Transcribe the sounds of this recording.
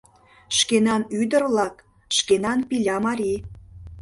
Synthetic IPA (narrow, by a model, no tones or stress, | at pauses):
ʃkenɑnyd̪ə̆rlɑk | ʃkenɑnpilʲɑmɑɾʲi